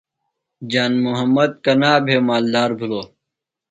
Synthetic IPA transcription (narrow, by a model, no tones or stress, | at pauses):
d͡ʑaːnmuɦɐmːɐd̪̚kɐnaːbʱemaːld̪aːɾbʱuloː